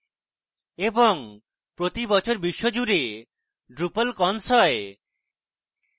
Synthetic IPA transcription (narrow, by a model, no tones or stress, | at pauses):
eboŋ | pɾot̪ibɔt͡ɕʰoɾbiʃːod͡ʑuɾe | ɖɾupəlkɔnsɔe